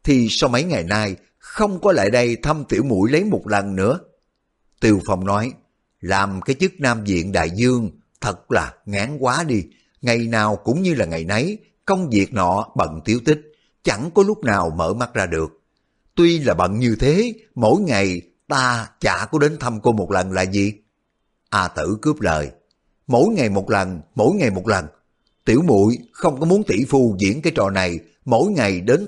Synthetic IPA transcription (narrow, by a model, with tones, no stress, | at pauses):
t̪ʰi˨˩sa˧wmə˨˦jŋa˨˩jnaː˧j | xə˧wŋ͡mkɔ˨˦la̰ː˧˨jɗə˧jt̪ʰə˧mt̪ḭ˧˩əwmṵ˧˥jlə˨˦jmo˨˩t̚lə˨˩nːɨ̰˧˥ə | t̪i˧˩əwfa˧wŋ͡mnɔ˨˦j | laː˨˩mkaː˨˦jt͡ɕɨ˦˥k̚naː˧mzḭ˧˨ənɗa̰ː˧˨jzɨ˧əŋ | t̪ʰə˨˩t̚laː˨˩ŋaː˨˦ŋkwaː˨˦ɗi˧ | ŋa˨˩jnaː˨˩wkʊ̰˧˥ŋ͡mɲɨ˧laː˨˩ŋa˨˩jna˨˦j | kə˧wŋ͡mvi˨˩ək̚nɔ̰˧˥ɓə̰˧˨nt̪i˨˦əwt̪ï˦˥k̟̚ | t͡ɕa˧˩ŋkɔ˨˦lʊ˦˥k͡p̚naː˨˩wmə̰ː˧˩ma˦˥t̚zaː˧ɗɨ˨˩ək̚ | t̪wi˧laː˨˩ɓə̰˧˨nɲɨ˧t̪ʰe˨˦mo̰˧˥jŋa˨˩j | t̪aː˧t͡ɕa̰ː˧˩˥kɔ˨˦ɗe˨˦nt̪ʰə˧mko˧mo˨˩t̚lə˨˩nla̰ː˨˩zi˨˩ | ʔaː˧t̪ɨ̰˧˩kɨ˦˥əp̚lə̰ː˨˩j | mo̰˧˥jŋa˨˩jmo˨˩t̚lə˨˩nmo̰˧˥˦jŋa˨˩jmo˨˩t̚lə˨˩n | t̪ḭ˧˩əwmṵ˧˨jxə˧wŋ͡mkɔ˨˦mu˨˦ənt̪ḭ˧˩fu˧zḭ˧˥ənkaː˨˦jt͡ɕɔ̰˧˨na˨˩j | mo̰˧˥jŋa˨˩jɗe˨˦n